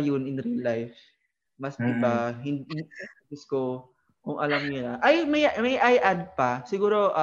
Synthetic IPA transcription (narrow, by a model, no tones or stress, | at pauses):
jʊnɪnɾilajf | mɐsd̪ɪbaɦɪnd̪nɐɡʊsko | kʊŋʔɐlamɲʊnɐʔajmɐjmɐjʔajʔad̪̚pasɪɡuːɾo̞ʔ